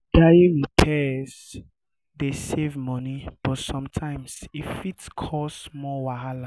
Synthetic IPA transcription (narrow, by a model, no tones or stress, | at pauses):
d̥aĩnipʰɛs | desevmɔnib̥ɔtsɔ̃mtʰãɪ̃msifitkʰɔsmɔwaɦala